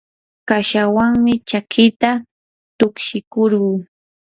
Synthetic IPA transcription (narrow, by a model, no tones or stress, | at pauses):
kaʃawaŋmɪt͡ʃakʰɪt̪a | t̪ʊkʃɪkoɾɢuː